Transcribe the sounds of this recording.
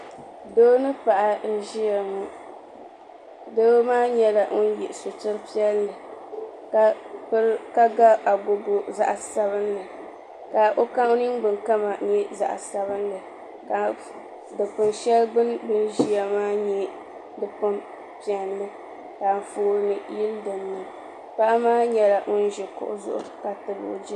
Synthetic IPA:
do˦nɨ˦pa˨ʔa˨n̩˦ʒi˦ja˨mu˦ | doː˦maː˦ɲɛ˦la˨ŋʊ˦n˦jɛ˨ʔso˨tɨ˦ɾpi˦ɛ˦lːɨ˨ | k | ka˦ɡa˦a˨ɡo˨ɡo˨za̰˦ʔa˨sa˦bɨ˦n˦lɨ˨ | ka˨ʔo˦ka˦o˦ni˦nɡ͡bɨ˨nka˦ma˨ɲɛ˦za̰˨ʔa̰˨sa˦βɨ˦nlɨ˨ | a˨ | dɨ˨pʊ˨nʃɛ˦lɡ͡bɨ˦nbɨ˦n˦ʒi˦a˦maː˦ɲɛ˦ | dɨ˨pʊ˦m | pi˨ɛ˨nlɨ˦ | d̥aː˨m̩˨foː˦ɾɨ˦nɨ˨ji˦ldɨ˨nːɨ˨ | pa˦ʔmaː˦ɲɛ˦la˨ʔʊ˦n˦ʒɛ˨kʊ̰˦ʔʊ˦zʊ̰˦ʔʊ̰˨˦ka˨tɨ˨bʊ̰˨˦d͡ʒɛ˦

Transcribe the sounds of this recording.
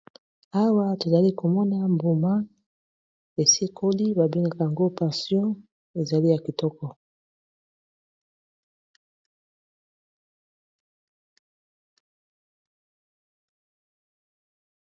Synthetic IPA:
a˦wa˦to˨za˨li˦ko˨mɔ˦na˦mbu˨ma˦ | e˨se˦kʰo˦li˦ba˨bi˦ŋɡa˨ka˨ja˨ŋɡo˦pa˨sjɔ̃˦ | e˨za˨li˦ja˨ki˨tɔ˦kɔ˨

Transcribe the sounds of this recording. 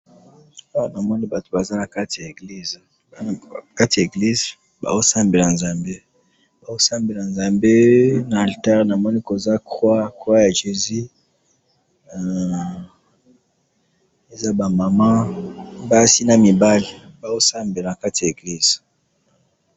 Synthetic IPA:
a˦wa˨na˨mɔ˦ni˦ba˨to˨ba˨za˦na˨ka˦ti˨a˨e˨ɡli˦z | ka˦ti˨a˨ɡli˦z | ba̰˨o˦sa˦mbe˨la˨nza˨mbe˦ | ba˨o˦sa˦mbe˨la˨nza˨mbe˦na˨a˨lta˦ʁna˨mɔ˦ni˦ko˨za˦kwa˦kwa˦ja˨ʒe˨zi˦˨ | e˨za˦ba˨ma˨ma˦ba˦si˦na˦˨mi˨ba˦le˨ba˨o˦sa˦mbe˨la˨na˨ka˦ti˨a˨e˨ɡli˦z̥

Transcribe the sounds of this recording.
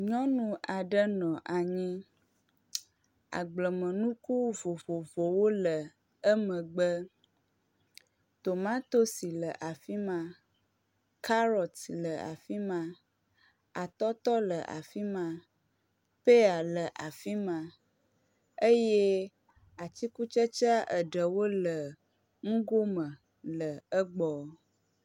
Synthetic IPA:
ɲɔ̃˦nũ˨ʔa˨ɖə˦nɔ̃˨ʔa˨ɲĩ˦ | a̰˨ɡ͡blə˨mə̃˨nũ˦ku˦vo˨vo˨vo˨wo˦lə˨ | ə˦mə̃˨ɡ͡bə˦ | t̪o˨mã˦t̪o˦si˨lə˨ʔa˨fi˦mã˨ | kʰa˦ɾɔ˨t̪lə˨a̰˨fi˦mã˨ | a˨t̪ɔ˦t̪ɔ˦lə˨ʔa̰˨fi˦mã˨ | pe˦a˨lə˨ʔa˨fi˦mã˨ | ə˦je˦ | a˨t̪i˦ku˦t͡ʃə˦t͡ʃa˦ʔə˨ɖə˨wo˦lə˨ | ŋũ˦ɡo˦mə̃˨ | lə˨ə˦ɡ͡bɔ˨

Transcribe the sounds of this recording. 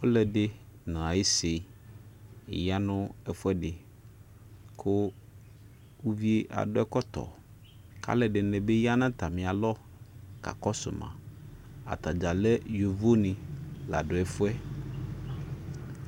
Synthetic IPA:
wo˦lɛ˨ɖɪ˦nã˨a˨je˦sɪ˨ | ja˦nʊ̃˦ɛ˨fʊ˦ɛ˦ɖɪ˨ | kʰʊ˦ | wu˦vi˦e˦ʔa̰˨ɖʊ˦ɛ˦kɔ˦t̪ɔ̰˨ | kʰa̰˦lɛ˨ɖɪ˨nɛ̃˨be˦ja˦nã˦t̪a˨mĩ˨a˨lɔ˦ | ka̰˨kɔ˦sʊ̰˨mã̰˨ | a̰˨t̪a˨d͡ʒa˨lɛ˦jo˨vo˦nɪ̃˨la̰˨ɖʊ˨ɛ˨fʊ˦ɛ˦

